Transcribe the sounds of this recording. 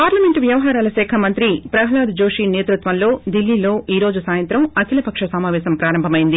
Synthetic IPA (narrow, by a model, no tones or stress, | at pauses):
paːɾlɐmeɳʈʋjɐʋɐɦaːɾaːlɐsɛːkʰɐmɐnt̪ɾipɾɐɦɐlaːd̪d͡ʒo̞ːʂineːt̪ɾut̪ʋɐnlo̞ːd̪ilːiːlo̞ːʔiːɾo̞ːd͡ʒusaːjɐnt̪ɾɐmɐkʰilɐpɐkʂɐsɐmaːʋɛːsɐmpɾaːɾɐmbʱɐmɐjind̪i